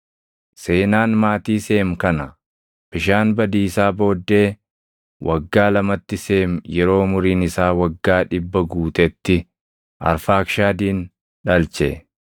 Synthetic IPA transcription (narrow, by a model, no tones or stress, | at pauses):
se̞ːnaːnmaːt̪iːse̞ːmkɐnɐ | b̥ɪʃaːnbɐd̪iːsaːbo̞ːd̪ːe̞ː | wʔɐɡːaːlɐmɐt̪ːɪse̞ːmjɛɾo̞ːmʊɾiːnɪsaːwɐɡːaːᶑɪbːɐɡuːt̪ʼɛt̪ːɪ | ʔɐ̰ɾfaːkʃaːd̪iːn | ᶑɐlt͡ʃɛ̰